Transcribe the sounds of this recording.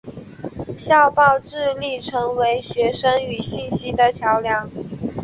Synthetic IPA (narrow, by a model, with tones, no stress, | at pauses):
ɕjɑ˥˧ʊpɑ˥˧ʊʈ͡ʂɻ̩˥˧li˥˩ʈ͡ʂʰɤ˧˥ŋwe˧˥ɪɕɥɛ˧˥ʂə˥ŋy˨˩ɕi˥˩nɕi˥d̪ə˨t͡ɕʰjɑ˧˥ʊljɑ˧˥ŋ